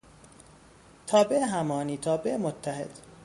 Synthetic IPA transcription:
t̪ʰɒːbeʔɦæmɒːniːt̪ʰɒːbeʔmot̪ʰːæɦḛd̪̥

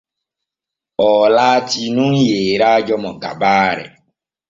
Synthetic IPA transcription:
ɔlaːtinũŋ̩jeːɾad͡ʒɔmɔɡa̰baːɾɛ̰

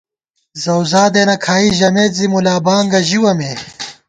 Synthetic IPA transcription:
zɐwzaːd̪eːnɐkʰaːiʑɐmeːt̪zimulaːbaːŋɡɐʑiwɐmeː

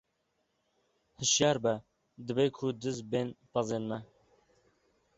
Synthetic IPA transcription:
hɨʃjɑːɾbɛ | d̪ɨbekʰud̪ɨzbeːnpɑzeːnmɛ

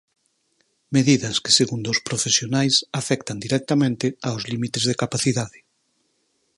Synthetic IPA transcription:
meðiðɐskɪ̥seɣund̪ospɾofesjonajsafɛkt̪ɐnd̪iɾɛk̚t̪amẽnt̪ɪaozlimit̪ezðekapaθiðaðɪ

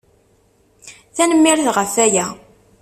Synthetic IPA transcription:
θænəmːiɾθʁəfæjæ

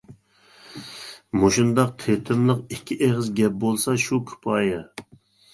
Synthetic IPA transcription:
moʃund̪ɑq̚t̪ʰet̪ʰɪmlˠəqikʲʰːiʔeʁəzɡʲɛp̚bolˠsɑʃukʲʰy̥pʰɑːjɛ

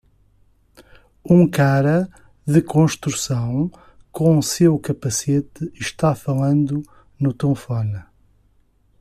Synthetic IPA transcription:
ũkaɾɐ | ðɨkõʃt̪ɾusɐ̃w̃ | kõsewkɐpɐset̪ɨɨʃt̪afɐlˠɐ̃nd̪u | nut̪õfɔnɐ

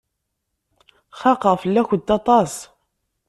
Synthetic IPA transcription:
χɑqəʁfəlːæçəd̪ɑt̪ˤɑs

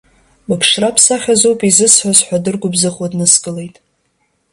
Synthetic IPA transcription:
bɨpʰʂrapʰsaχʲazowpʼizɨsħʷazħʷᶣadɨrɡʷʊbzɨqʼadnɨskʼɨle̞jtʼ

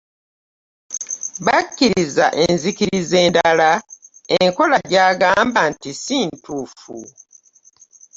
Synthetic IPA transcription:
βacːiɾiza̰ʔenzikiɾize̞ːndalaeŋko̞laɟaːɡaːmbantisiːntuːfṵ

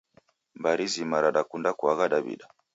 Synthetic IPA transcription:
mbaɾizimaɾaɗakundakuaɣaɗabḭɗa

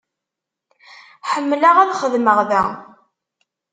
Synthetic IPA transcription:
ħəmːlaʁæðχəðməʁðæ̰

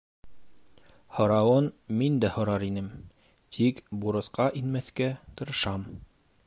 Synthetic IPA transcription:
hŏɾɑwɤnmind̪æhŏɾɑɾinɘm | t̪ʰikbuɾɤ̆sqɑʔinmæθkæt̪ɤ̆ɾɤ̆ʃɑm

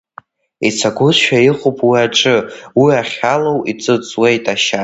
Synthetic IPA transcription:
it͡sʰaɡʷʊzʃᶣaiχʷupʼwiaʈ͡ʂʼɨwiaχʲalowit͡sʼɨt͡sʼwejtʼaʃa

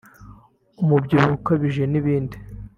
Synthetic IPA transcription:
umubɟiɾuukaβiʒeniβiːndi

